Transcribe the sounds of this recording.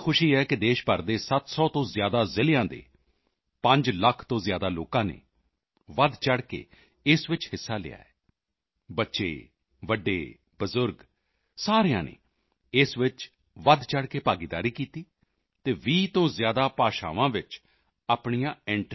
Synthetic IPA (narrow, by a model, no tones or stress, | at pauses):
kʰʊʃiːɦɛːkɪd̪eːʃpəɾd̪eːsət̪sɔːt̪õːzjaːd̪aːzɪlɪjãːd̪ḛː | pə̃ɲd͡ʒləkʰt̪õːzjaːd̪aːlo̰ːkãːnḛː | ʋəd̪t͡ʃəɽkḛː | ɪsʋɪt͡ʃhɪsːaːlɪ̰ːa̰ːɛː | bətːʃḛː | ʋəɖːḛː | bəzʊɾɡ | saːɾejã̰ːnḛː | ɪsʋɪt͡ʃ | ʋəd̪t͡ʃəɽkeːpaːɡiːd̪a̰ːɾiːkiːt̪iː | t̪eːʋiːt̪õːzjaːd̪aːpaːʃa̰ːʋãːʋɪt͡ʃ | aːpɳ̃ijãːɛ̃ɳʈ